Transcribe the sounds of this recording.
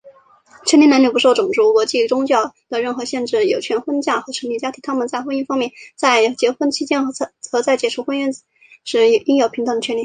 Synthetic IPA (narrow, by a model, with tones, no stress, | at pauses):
t͡ɕʰɥɛ˥nli˧˥n˧˥nli˨˩pu˧˥ʂo˥˩ʊʈ͡ʂʊ˨˩ŋʈ͡ʂu˧˥kwɔ˧˥t͡ɕi˥˩ʈ͡ʂʊ˥ŋt͡ɕjɑ˥˩ʊd̪ə˨ɻə˥˩nxɤ˧˥ɕjɛ˥˧nʈ͡ʂɻ̩˥˩jo˨˩ʊt͡ɕʰɥɛ˧˥nxwə˥nt͡ɕja˥˩xɤ˧˥ʂʰə˧˥nli˥˩ja˥t̪ʰi˧˥ŋt̪ʰa˥mə˨nt͡sa˥˧ɪxwə˥ny˥nfɑ˥ŋmjɛ˥˩nt͡sa˥˩ɪt͡ɕjɛ˧˥xwə˥nt͡ɕʰi˥t͡ɕjɛ˥n˥˧˥t͡sɤ˧˥t͡sa˥˩ɪt͡ɕjɛ˨˩ʈ͡ʂʰu˧˥xwə˥ny˥˧n | ʂɻ̩˧˥˨i˥ŋjo˨˩ʊpʰi˧˥t̪ɤ˧˩ŋd̪ə˩t͡ɕʰɛ˥nli˥˩